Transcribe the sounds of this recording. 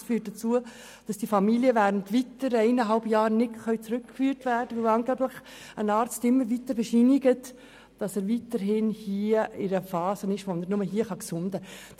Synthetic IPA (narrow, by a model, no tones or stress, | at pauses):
fyːt̚d̥ət͡suə | d̥ɑsd̥ifɑmiliəvæːɾəntʋitəɾɛɪnəɦɑlbjɑːɾnɪdχœɥt͡sɾʏkːfyːɾtvæːɾdəʋɪwɑnɡæblɪχ | ənɑːɾt͡stɪmːəɾʋitəɾbɛʃiniɡət | d̥ɑsəːɾʋitəɾɦɪnhiəɪɾəfɑːzənɪʃʋonəɾnʊməɦiəχɑksʊndə